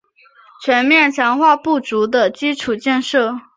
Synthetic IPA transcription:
t͡ɕʰɥɛ˧˥nmjɛ˥˩nt͡ɕʰjɑ˧˥ŋxwa˥˧pu˥˩t͡su˧˥d̪ə˨t͡ɕi˥ʈ͡ʂʰu˨˩t͡ɕjɛ˥˧nʂɤ˥˩

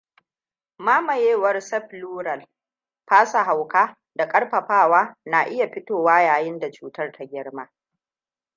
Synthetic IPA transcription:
maː˦mɐ˨jeː˦wɐ˦rsɛ˦ɸluː˦ɾɐ˨l | ɸaː˦sa˨ɦa˨wkaː˦ | da˨kʼɐ˦ɽrɸɐ˨ɸaː˦˨waː˦na˨ʔɪ˦ja˨ɸɪ˦toː˨waː˦jaː˨jɪ˦nda˨t͡ʃuː˦tɐ˦rtʰa˦ɡʲɪ˦ɽmaː˦

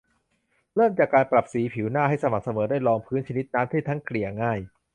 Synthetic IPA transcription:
lɤ˥˩mt͡ɕaː˨˩kːaː˧npɾa˨˩p̚siː˩˦pʰi˩˦wnaː˥˩ɦa˥˩jsa˧ma˨˩k̚sa˧mɤː˩˦daː˥˩jlɔː˧ŋpʰɯː˦˥nt͡ɕʰni˦˥t̪̚naː˦˥mt̪ʰiː˥˩t̪ʰŋkʰli˨˩ɐŋaː˥˩j

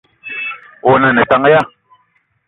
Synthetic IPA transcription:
o˨na˨nɛ˨ta˦ŋ˦ja˦˨

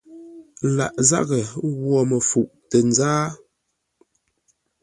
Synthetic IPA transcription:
la̰˨ʔza̰˦˨ɣə˨ɣwɔ˨mə˨fu˨ʔtə˨n˦zaː˦

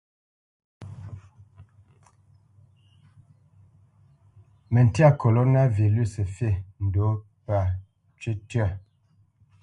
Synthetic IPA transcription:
mə˨n̩˨tja˦˨ko˨lo˦na˦˨vi˨lu˦˨sə˨fe˦˨n̩˨do˨˦ | pa˨ | t͡ʃe˦tɥɛ˦˨

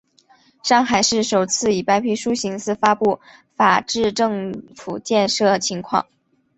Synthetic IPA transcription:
ʂɑ˥˩ŋxa˨˩ɪʂɻ̩˥˩ʂo˨˩ʊt͡sʰɹ̩˥˩i˨˩pa˥ɪpʰi˥˩ʂu˥ɕi˧˥ŋsɹ̩˥˩fa˥pu˥˩ | fa˨˩ʈ͡ʂɻ̩˥˧ʈ͡ʂɤ˥˩ŋfṵ˨˩t͡ɕjɛ˥˧nʂɤ˥˩ə˩t͡ɕʰi˧˥ŋkʰwɑ̰˥˩ŋ

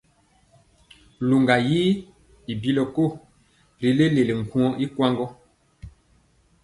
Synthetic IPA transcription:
lu˨ŋɡa˨jiː˦ | i˨bi˦lɔ˨ko˦˨ | ɾi˨le˦le˨le˨ŋ̩˨kũ˦ɔ˦ʔi˦kwa˦ŋɡɔ˦

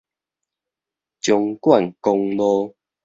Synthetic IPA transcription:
t͡ɕjɔ˨˧ŋkwa˥˨nkɔ˧ŋlɔ˧

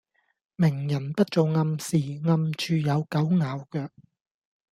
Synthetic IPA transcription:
mɪ˨˩ŋjɐ˨˩npɐ˥t̚t͡so˨wŋɐ˧msiː˨˩ŋɐ˧mt͡ʃʰyː˧jɐ˨˧wkɐ˨˥wŋaː˨˧wkœː˧k̚

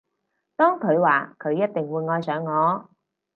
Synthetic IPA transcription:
t̪ɔː˥ŋkʰɵ˨˧ɥwaː˨˩kʰɵ˨˧ɥjɐ˥t̚t̪ɪ˨ŋwuː˨˧jŋɔː˧jsœː˨˧ŋːɔː˨˧

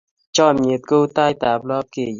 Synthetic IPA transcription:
t͡ʃɔː˧˩˨mi˨˩˨t̪̚ko˦wt̪a˧jt̪aː˨p̚lɔ˦p̚ke˨˩

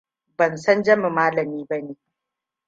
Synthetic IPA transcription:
bɐ˨nsɐ˦nd͡ʒɐ˦mɪ˨maː˦lɐ˨miː˦bɐ˦neː˨

